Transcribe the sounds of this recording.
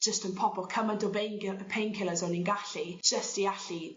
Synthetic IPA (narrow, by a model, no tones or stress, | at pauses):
ʒ̥əstənpʰɔbɔlˠkʰəmandɔbejnɡəpʰejnkʰɪlˠəzɔninɡaɬi̥ʒ̥əstiaɬi